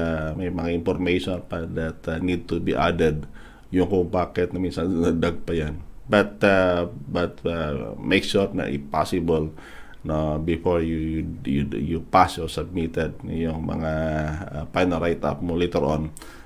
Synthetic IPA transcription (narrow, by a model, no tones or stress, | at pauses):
memãŋinfɔrmeʃɔnpadɛt̪nid̚t̪ubiʔa̰dəd | juŋkopakɛt̪̚namisadaɡ̚pajanbat̪abat̪əmekʃuɾna̰ʔpɔ̰sibəl | nobifɔɹjujujupasjɔsab̚mit̪ɛd̚jɔŋma̰ŋa | pajnəɾajt̪a̰pmulit̪əɾɔ̰n